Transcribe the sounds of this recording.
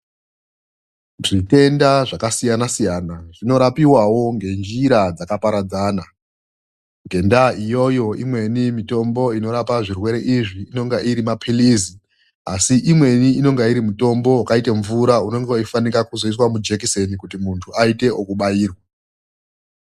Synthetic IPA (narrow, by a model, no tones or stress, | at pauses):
ʐite̞ndaʐakasijanasijanaʐ̥ino̞ɾapiwawo̞ŋɡe̞nd͡ʒiɾad͡zakapaɾad͡zaːna | ŋɡe̞ndaʔijo̞jo̞imwe̞nimito̞mbo̞ino̞ɾapaʐirwe̞ɾe̞ʔiʐiino̞ŋɡeʔiɾimapʰilizi | asiʔimwe̞niino̞ŋɡeiɾimuto̞mbo̞wakaiteɱvuɾauno̞ŋɡeoifanikakuzois̬wamud͡ʒekisenikutimuntʰuaite̞ʔokuɓaiːrwa